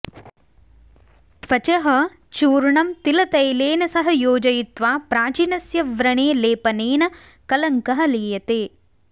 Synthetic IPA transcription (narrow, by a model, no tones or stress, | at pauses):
t̪ʋɐt͡ʃɐɦɐ | t͡ʃuːɾɳɐmt̪ilɐt̪ɐjleːnɐsɐɦɐjoːd͡ʒɐjit̪ʋaːpɾaːt͡ʃiːnɐsjɐʋɾɐɳeːleːpɐneːnɐ | kɐlɐŋkɐɦɐliːjɐt̪eː